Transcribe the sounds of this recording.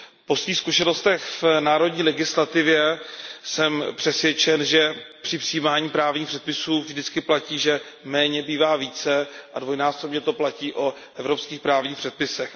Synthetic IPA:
po̞sviːxskuʃɛno̞st̪ɛxvnaːɾo̞dɲiːlɛɡɪslat̪ɪvjɛsɛmpr̥ɛsvjɛt͡ʃɛnʒɛpr̥ɪpr̥iːmaːɲiːpɾaːvɲiːxpr̥ɛt̪̚pɪsuːvʒdɪt͡skɪplaciːʒɛ | mɛːɲɛbiːvaːviːt͡sɛʔadvo̞jnaːsobɲɛt̪o̞placiːʔo | ʔɛvɾo̞pskiːxpɾaːvɲiːxpr̥ɛt̪̚pɪsɛx

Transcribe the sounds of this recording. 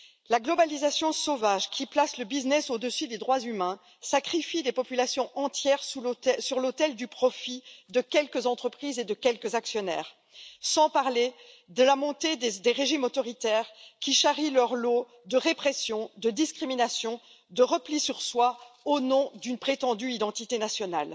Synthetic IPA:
laɡlɔbalizasjɔ̃sovaʒkʲʰiplasləbiznɛsod̪əsyd̪ed̪ʁwazymɛ̃ | sakχifid̪epɔpylasjɔ̃ʔɑ̃t̪jɛʁsusyʁlot̪ɛld̪ypχɔfid̪əkʲɛlkəzɑ̃t̪χəpχized̪əkʲɛlkəzaksjɔnɛ̰ːʁ | sɑ̃paʁle | d̪əlamɔ̃t̪ed̪d̪eʁeʒimot̪ɔʁit̪ɛʁkʲiʃaʁilœʁlo | d̪əʁepχɛsjɔ̃d̪əd̪iskχiminasjɔ̃ | d̪əʁəplisyʁswaonɔ̃d̪ynpχet̪ɑ̃d̪yid̪ɑ̃t̪it̪enasjɔnal

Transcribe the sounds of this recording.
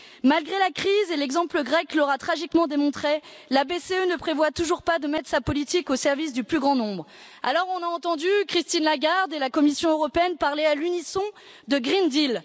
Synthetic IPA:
malɡʁelakχizelɛɡzɑ̃pləɡʁɛklɔʁat̪χaʒikmɑ̃d̪emɔ̃t̪χelabeseønəpχevwat̪uʒuʁpad̪əmɛt̪χsapɔlit̪ikosɛʁvis̬d̪yplyɡʁɑ̃nɔ̃bʁ | a̰lɔʁɔ̃naɑ̃t̪ɑ̃d̪ykχist̪inlaɡaʁd̪elakɔmisjɔ̃øʁɔpeɛnpaʁlealynisɔ̃ | d̪əɡʁind̪il

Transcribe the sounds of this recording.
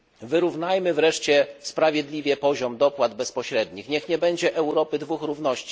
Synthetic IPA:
vɘɾuvnajmɘvɾɛʂt͡ɕɛspɾavʲjɛd̪lʲivʲjɛpɔʑɔmd̪ɔpwad̪bɛspɔɕɾɛd̪ɲixɲɛxɲɛbɛɲd͡ʑɛʔɛwɾɔpɘd̪vuxɾuvn̪ɔɕt͡ɕi̥

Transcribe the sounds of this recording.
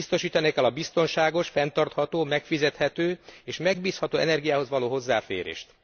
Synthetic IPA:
ist̪o̞ʃiːt̪ɒneːkɛlɒbist̪o̞nʃaːɡo̞ʃfɛnt̪ɒrt̪hɒt̪oːmɛkfizɛt̪hɛt̪øːeːʃmɛɡ̚biːshɒt̪oːɛnɛrɡijaːɦo̞zʋɒloːɦo̞zːaːfḛːɾḛːʃt̪

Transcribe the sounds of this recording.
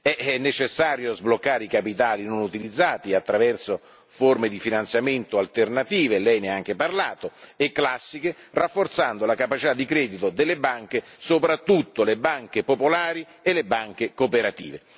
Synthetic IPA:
ɛɛnːet͡ʃesːaːɾjozblokːaːɾeikapit̪aːlinonut̪ilid̪zːaːt̪iat̪ːɾavɛrso | formed̪ifinant̪sjament̪oalt̪ernat̪iːvelɛjneaŋk̟eparlaːt̪oekːlasːike | rafːort̪sand̪olakapat͡ʃit̪ad̪ːikɾɛːd̪it̪od̪elːebaŋk̟esopɾat̪ːut̪ːolebaŋk̟epopolaːɾi | elːebaŋk̟ekopeɾat̪ḭːve

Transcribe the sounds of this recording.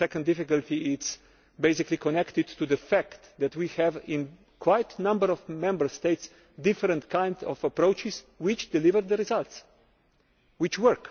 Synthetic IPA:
sɛkə̃ndɪfɪkəlt̪iɪts | beɪsɪklikʰɔnɛkt̪ɪd̪tʰuðəfækt̪d̪ɛt̪wihɛvɪ̃n | kʰwaɪt̪nʌ̃mbəɾɔvmɛ̃mbə˞st̪eɪts | d̪ɪfəɾə̃nt̪kʰãɪ̃ndɔvəpɾoʊt͡ʃɪs | wɪt͡ʃd̪ɪlɪvəɾðəɾizalt̪s | wɪt͡ʃwə˞k

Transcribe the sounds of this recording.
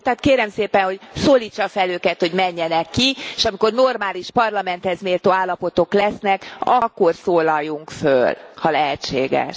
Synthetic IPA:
t̪ɛːt̪keːɾɛmseːpɛnho̞ɟsoːliːt͡ʃːɒfɛløːkɛt̪ho̞ɟmɛɲːɛnɛkːieʃɒmiko̞rnormaːliʃpɒrlɒmɛnt̪hɛzmeːlt̪oːaːlːɒpo̞t̪o̞klɛsnɛkɒkːo̞rsoːlɒjːuŋkfølhɒlɛɦɛt͡ʃːḛːɡɛ̰ʃ

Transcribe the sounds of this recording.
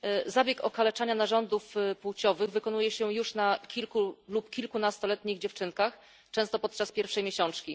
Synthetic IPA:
zabʲjɛkɔkalɛt͡ʂaɲanaʐɔnd̪ufpuwt͡ɕɔvɘɣvɘkɔnujɛɕɛjuʂnakʲilkulupkʲilkunast̪ɔlɛt̪ɲiɣd͡ʑɛft͡ʂɘnkax | t͡ʂɛ̃w̃st̪ɔpɔt̪̚t͡ʂaspʲjɛɾfʂɛjmʲjeɕɔnt͡ʂkʲi

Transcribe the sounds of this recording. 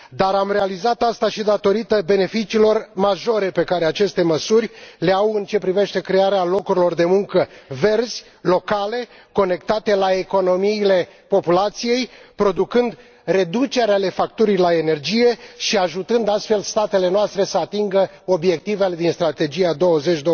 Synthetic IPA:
d̪aɾamre̞alizat̪ast̪aʃid̪at̪o̞ɾit̪əbe̞ne̞fit͡ʃiːlo̞rmaʒo̞ɾe̞pe̞kaɾe̞at͡ʃe̞st̪e̞məsurʲle̞awɨnt͡ʃe̞pɾive̞ʃt̪e̞kɾe̞aɾealo̞kuɾilo̞rd̪e̞muŋkəve̞rz̥ʲ | lo̞kale̞ | ko̞ne̞kt̪at̪e̞lae̞ko̞no̞miːle̞po̞pulat̪sije̞jpɾo̞d̪ukɨnd̪ | re̞d̪ut͡ʃe̞ɾeale̞fak̚t̪uɾilae̞ne̞rd͡ʒije̞ʃiaʒut̪ɨnd̪ast̪fe̞lst̪at̪e̞le̞noast̪ɾe̞səat̪iŋɡə | o̞bje̞k̚t̪ive̞le̞d̪inst̪ɾat̪e̞d͡ʒiad̪o̞wəze̞t͡ʃʲd̪o

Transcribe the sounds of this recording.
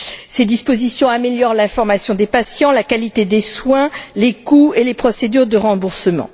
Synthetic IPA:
sed̪ispozisjɔ̃ameljɔʁlɛ̃fɔʁmasjɔ̃d̪epasjɑ̃lakalit̪ed̪eswɛ̃lekuelepχɔsed̪yʁd̪əʁɑ̃buʁsəmɑ̰̃

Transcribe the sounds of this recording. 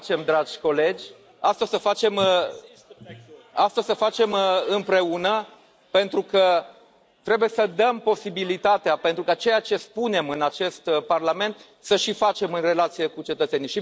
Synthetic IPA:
t͡ʃe̞md̪ɾad͡ʒʲko̞le̞d͡ʒʲ | ast̪əsəfat͡ʃe̞m | ast̪əsəfat͡ʃe̞mɨmpɾe̞unə | pe̞nt̪ɾukə | t̪ɾebuje̞səd̪əmpo̞sibilit̪at̪eapent̪ɾukat͡ʃe̞jat͡ʃe̞spune̞mɨnat͡ʃe̞st̪parlame̞nt̪ | səʃifat͡ʃe̞mɨnre̞lat̪sije̞kut͡ʃe̞t̪ət̪se̞niʃi

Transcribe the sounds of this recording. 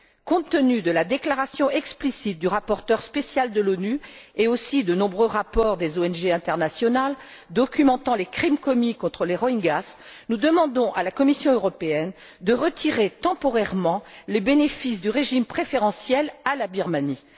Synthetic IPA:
kɔ̃t̪ːənyd̪əlad̪eklaʁasjɔ̃ɛksplisit̪̚d̪yʁapɔʁt̪œʁspesjald̪əlonyeosid̪ənɔ̃bʁøʁapɔʁd̪ezoɛnʒeɛ̃t̪ɛʁnasjɔnal | d̪ɔkʲymɑ̃t̪ɑ̃lekχimkɔmikɔ̃t̪χəleʁɔiŋɡasnud̪əmɑ̃d̪ɔ̃ʔalakɔmisjɔ̃øʁɔpeɛn | d̪əʁət̪ʰiʁet̪ɑ̃pɔʁɛʁmɑ̃lebenefisd̪yʁeʒimpχefeʁɑ̃sjɛlalabiʁmani

